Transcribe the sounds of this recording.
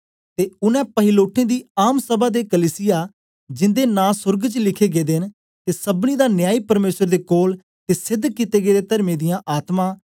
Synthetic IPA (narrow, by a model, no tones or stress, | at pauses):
t̪eːʊnɛ̃ːpəɦɪloːʈʰːẽːd̪iːaːmsəbaːd̪eːkəliːsɪjaː | d͡ʒɪ̃nd̪eːnãːsʊɾɡt͡ʃlɪkʰeːɡeːd̪en | t̪eːsəbniːd̪aːnjaːiːpəɾmeːsəɾd̪eːkoːl | t̪eːsɪd̪ːkit̪eːɡeːd̪eːt̪əɾmẽːd̪ɪjãːʔaːt̪mãː